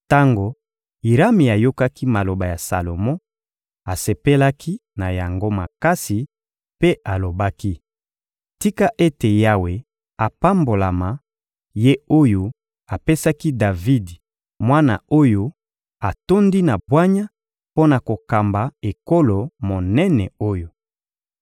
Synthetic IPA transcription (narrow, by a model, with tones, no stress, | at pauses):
ta˦ŋɡo˨ | i˨ɾa˦mi˨a˨jo˦ka˦ki˦ma˨lo˨ba˨ja˨sa̰˨lo˨mɔ̃˦ | a˨se˨pe˦la˦kʰi˦na˨ja˨ŋɡo˦ma̰˨ka˦si˨ | pe˦ʔa˨lo˨ba˦ki˦ | ti˦ka˦ʔe˦te˨ja˦we˨ | a˨pa˦mbo˨la˨ma˨ | je˦o˦jo˦ | a˨pe˦sa˦ki˦da˨vi˦d | mwa˦na̰˨o˦jo˦ | a˨to˦ndi˦na˨bwa˦ɲa˦ | po˦na˨ko˨ka˨mba˨e˨ko˦lo˨mo˨nɛ˦nɛ˨o˦jo˨